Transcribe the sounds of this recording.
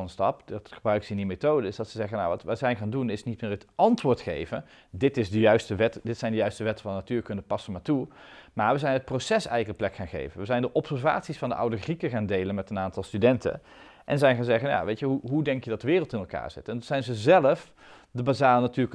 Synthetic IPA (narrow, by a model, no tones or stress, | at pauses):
ənstɑ̰pdɑtχəbrœɥksəɪnimetowdəɪsdɑtsəzɛχənja̰wʋɑtʋaːzɛjnχaːndunɪsnit̚mɪːɹətɑntʋʊːɹtχḛjvən | dɪtɪsdəjœɥstəʋɛtdɪtsɛjndəjœɥstəʋɛtəfnnatyːɹkɵnəpɑsənmaːɹtu | maːɹʋəzɛjnɦət̚prowsɛsɛ̰jɣələplɛkχaːnχḛjvənʋəzɛjndəʔɔpsɛɹva̰ːtsisfɑndəʔʌ̰wdəχrikəχaːndejlənmɛtənaːntɑlˠstydɛntə̰n | ʔɛnzɛjχaːnzɛχənja̰ʋejtəɦuɦudɛŋkjədɑt̚dəʋɪːrəlˠtɪnɛlˠka̰ːɹz̥ɪ̰tɛnz̥ɛjnzəzɛləf | dəbazaːlənatyːɹk